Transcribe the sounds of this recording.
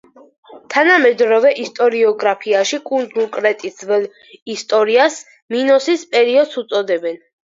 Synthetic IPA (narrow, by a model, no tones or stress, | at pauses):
t̪ʰanamɛd̪ɾɔvɛʔist̪ʼɔɾiɔɡɾapʰiaʃikʼund̪ulkʼɾɛt̪ʼisvɛl | ist̪ʼɔɾias | minɔsispʼɛɾiɔd̪sut̪sʼɔd̪ɛbɛn